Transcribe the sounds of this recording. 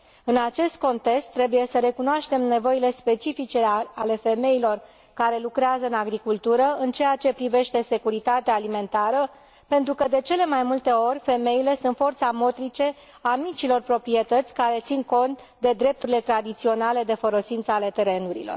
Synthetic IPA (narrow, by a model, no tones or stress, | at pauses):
ɨnat͡ʃe̞st̪̚ko̞nt̪e̞kst̪ːɾe̞buje̞səɾe̞kunoaʃt̪e̞mne̞vo̞ile̞spe̞t͡ʃifit͡ʃe̞ale̞fe̞me̞ilo̞r | kaɾe̞lukɾeazəɨnaɡɾikult̪uɾəɨnt͡ʃe̞jat͡ʃe̞pɾive̞ʃt̪e̞se̞kuɾit̪at̪eaːlime̞nt̪aɾə | pe̞nt̪ɾukəd̪e̞t͡ʃe̞le̞majmult̪e̞o̞rʲfe̞me̞ile̞sunt̪fo̞rt̪samo̞t̪ɾit͡ʃe̞ | amit͡ʃilo̞rpɾo̞pɾie̞t̪ət̪sʲkaɾe̞t̪sinko̞nt̪ | d̪e̞d̪ɾe̞p̚t̪uɾile̞t̪ɾad̪it̪sio̞nale̞d̪e̞foɾo̞sint̪səale̞t̪e̞ɾe̞nuɾḭlo̰r